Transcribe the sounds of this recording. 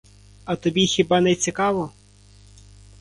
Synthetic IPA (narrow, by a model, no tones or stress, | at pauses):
ɐt̪ɔbʲixʲibɑnɛt͡sʲikɑʋɔ